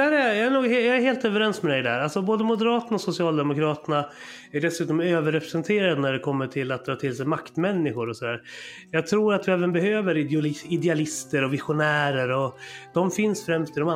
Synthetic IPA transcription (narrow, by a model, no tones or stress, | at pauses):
æɾɛjɑæɳuːɡhjɑːæɾɦeːlt̪œvɛɾɛnsmɛd̪ɛjd̪ɛhæ̰ːɾalsɔboːd̪əmʊd̪ɛɾɑːt̪əɳaɔsʊsɪɑːld̪ɛmʊkɾɑːt̪əɳa | æɖɛsʉ̟ːt̪ɔmøːvəɾɛpɾɛsɛnt̪ʰeːɾad̪ənæɖɛkʰɔmːəʈʰɪlːat̪̚d̪ɾɑːt̪ʰɪlsɛjmakt̪mɛnːɪɧʊɾɔsɔd̪æːɾ | jɑːɡ̚t̪ʰɾuːɾat̪̚d̪ɪɛːvənbɛhøːvəɾɪlɪɪd̪ɛalɪst̪əɾɔvɪɧʊnæːɾəɾɔd̪̥ɔmfɪnsfɾɛmst̪ɪd̪ɔma